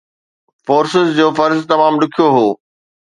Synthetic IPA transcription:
foːɾsɪzd͡ʑoːfɐɾzt̪ɐmaːmɗʊkʰijoɦoː

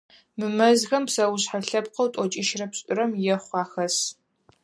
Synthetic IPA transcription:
mɨmɐzxɐmpsɐwʊɕħaɬɐpqɐwtʼɔt͡ʃʼɪʃrɐpɕʼʊɾɐmjɛχʷɑːxɐs

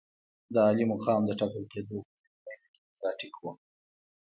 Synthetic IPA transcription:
d̪əɑlimʊxɑmd̪əʈɑkəlked̪o | ankik̪ɾɑʈikʰwu

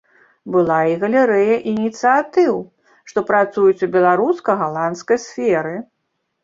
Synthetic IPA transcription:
bɨlˠaiɣɐlʲɛɾɛjɐʔinʲit̪sɨat̪ɨw | ʂt̪ɔpɾat̪sujut͡sʲubʲɛlˠaɾuskɐɣalˠant̪skɐjsfʲɛɾɨ

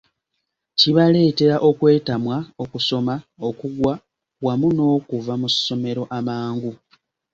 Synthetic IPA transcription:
ciβale̞ːte̞ɾaʔo̞kwe̞ːtamwao̞kuso̞maokuɡwa | wamuno̞ːkuvamusːo̞me̞ɾo̞ʔamaːŋɡu

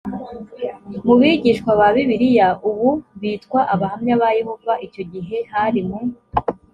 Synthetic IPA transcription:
muβiɟiʃkwaβaβiβiɾijaʔuβuβiːtkwaʔaβahamɲaβajeho̞vaʔico̞ɟiɦe̞haɾimu

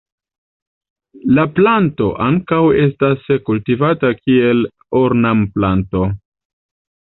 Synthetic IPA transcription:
laplanto̞ʔaŋkawe̞staskultivatakie̞l | oɾnamplanto̞

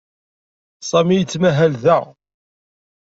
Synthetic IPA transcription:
sˤɑmijət͡sːmæɦælðæ

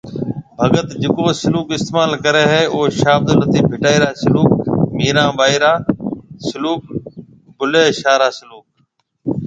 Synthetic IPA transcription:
bʱəɡət̪d͡ʒɪkoːsɪluːkɪst̪eːmaːlkəɾeːɦɛːoːʃaːb̚d̪onət̪iːbʱɪʈaːiːɾaːsɪluːk̚miːɾãːʋaːiɾaːsʊluːk̚ | bʊleːʃaːɾaːsɪluːk̚

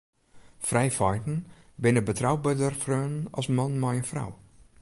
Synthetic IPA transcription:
frɛjfɔjtn̩ | bɪnəbətrawbədərfrøːnənɔ̰smanmɛjənfra̰w

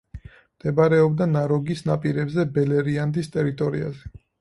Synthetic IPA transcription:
md̪̥ɛbaɾɛɔbd̪anaɾɔɡisnapʼiɾɛbzɛbɛlɛɾiand̪ist̪ʼɛɾit̪ʼɔɾḭa̰zɛ

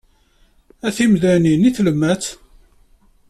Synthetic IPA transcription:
æθimðæniniθləmːæt͡s

